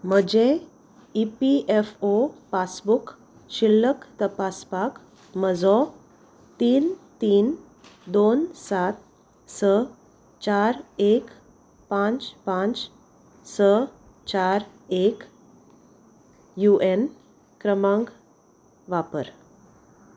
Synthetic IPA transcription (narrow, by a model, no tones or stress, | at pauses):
m̤əd͡ʑe | ipiʔefopasbuk | ɕilːəkt̪əpaspak | məd͡zɔ | t̪iːnt̪iːn | d̪onsat̪̚ | sə | t͡ɕaɾek | pãt͡spãt͡s | sə | t͡ɕaɾ | ek | juʔen | kɾəmãŋɡ | ʋapə̰ɾ